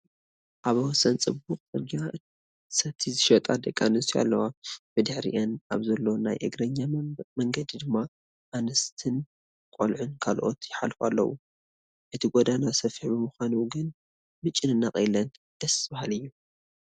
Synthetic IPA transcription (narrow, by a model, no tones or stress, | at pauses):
ʔaβwɔsɐnt͡sʼɨbuqʼt͡sʼɨɾɡa | sɐt̪ʰːizɨʃɐt̪ʼad̪ɐkʼːanɨsia̰lːɐwabɨd̪ɨħɾḭʔɐna̰βzɐlːo̞najʔɨɡɾɐɲːamɐŋɡɐd̪id̪ɨmːa | ʔanɐst̪ʰɨn | kʼo̰lʕunkʰalʔo̰t̪jɪħa̰lfa̰lːɐ̰wṵ | ʔɨt̪ʰiɡod̪anasɐfiħbɨmuxʷanuɡɨn | mɨt͡ʃʼɪnɨnːaχʼɐjlɐn | d̪̥ɐsbahalɨjːu